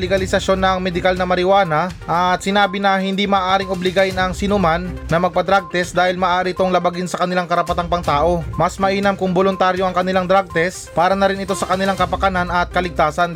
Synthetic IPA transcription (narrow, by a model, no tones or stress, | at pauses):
lɛɡɐlɪsɐʃjo̞nːɐŋmɛd̪ɪkalnɐmɐɾɪwaːnɐʔɐt̪sɪnaːbɪnɐhɪnd̪imɐːʔaːɾɪŋʔoblɪɡajnɐŋsɪnʊmanːɐmɐɡ̚pɐd̪ɾaɡ̚t̪ɛsd̪aːhɪlmɐːʔaːɾɪt̪oŋlɐbɐɡɪnsɐkɐnɪlaŋkɐɾɐpɐt̪aŋpɐŋt̪aːʔo̞mɐsmɐʔiːnɐmkʊŋbolʊnt̪aɾjo̞ʔɐŋkɐnɪlaŋd̪ɾaɡ̚t̪ɛs | paːɾɐnɐɾɪnʔɪt̪o̞sɐkɐnɪlaŋkɐpɐkɐnanɐt̪̚kɐlɪɡ̚t̪aːsɐn